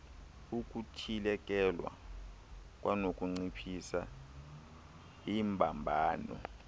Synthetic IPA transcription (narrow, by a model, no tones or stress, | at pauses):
uk̬ʼutʰilɛk̬ʼɛlwa̰ | kʼwʔanokʼuŋ͡ǀipʰisa | imbʱambʱaːnɔ̰